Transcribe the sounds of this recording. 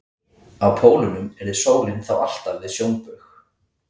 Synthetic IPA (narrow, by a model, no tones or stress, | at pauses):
awpʰoːwlʏnʏmɛɾðɪsoːwlɪnθawa̰l̥t̪avɪðsjownpʏx